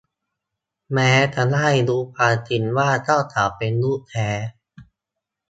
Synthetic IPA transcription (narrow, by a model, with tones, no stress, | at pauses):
mɛː˦˥ta˧˩laː˥˩jduː˧pʰaː˧t͡ɕi˧nwaː˥˩t̪a˥˩t̪ʰaː˨˩˦wpe˧nluː˥˩t̪ʰɛː˦˥